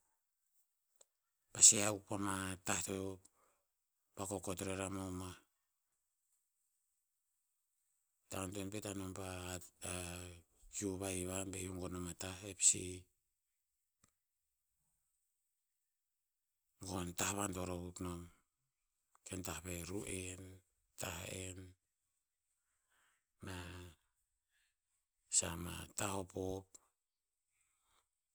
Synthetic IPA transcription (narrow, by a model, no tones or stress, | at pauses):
paseawpamatahto | pakoko̞tɾeɾamoma | tantonpetanompa | juβajβambejoŋɡo̞nomataepsi | ɡontahβanto̞ɾokuknom | kentahpeɾuʔen | tahen | ma | sama̰taho̞pop̚